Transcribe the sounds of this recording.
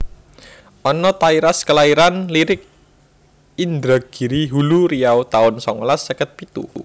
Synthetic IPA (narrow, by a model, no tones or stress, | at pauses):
ʔɔnɔt̪aiɾaskəlaiɾanliɾɪk̚ | ind̪ɾaɡ̥iɾiɦuluɾijawt̪aʊnsɔŋlasːəkət̪̚pit̪ṵ